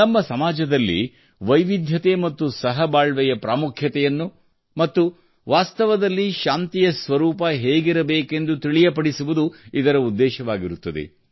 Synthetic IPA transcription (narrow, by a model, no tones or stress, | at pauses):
nɐmːɐsɐmaːd͡ʒɐd̪ɐlːḭ | ʋɐjʋid̪ʱjɐt̪e̞mɐt̪ːusɐɦɐbaːɭʋɛjɐpɾaːmukʰjɐt̪ɛjɐnːu | mɐt̪ːu | ʋaːst̪ɐʋɐd̪ɐlːiʃaːnt̪ijɐsʋɐɾuːpɐɦeːɡiɾɐbeːke̞nd̪ut̪iɭijɐpɐɽisuʋud̪uid̪ɐɾɐud̪ːɛːʃɐʋaːɡiɾut̪ːɐd̪ḛ